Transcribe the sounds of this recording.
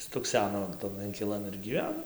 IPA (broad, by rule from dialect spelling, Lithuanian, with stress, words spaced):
stʊkˈsʲæːnoː tɐn ɪŋʲkʲɪˈlˠɐn ɪr ɡʲiːˈʋʲæːnoː